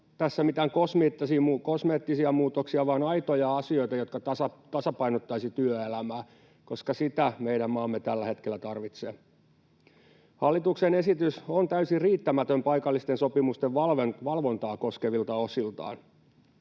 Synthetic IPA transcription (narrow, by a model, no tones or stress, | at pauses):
t̪æsːæmit̪æŋkosmet̪ːɑsiukosmeːt̪ːisiɑmuːt̪oksiɑʋɑːnɑjt̪ojɑɑsio̞it̪ɑjot̪kɑɑsɑt̪ɑsɑpɑinot̪ːɑisit̪yøelæmæː | ko̞skɑsit̪æmeidæmmɑːmːet̪ælːæhe̞t̪kelːæt̪ɑrʋit̪seː | hɑlːit̪uksene̞sit̪ysont̪æysiriːt̪ːæmæt̪ømpɑjkɑlːist̪enso̞pimust̪eʋʋɑlʋnʋɑlʋo̞nt̪ɑːko̞skeʋilt̪ɑosilt̪ɑ̰ːn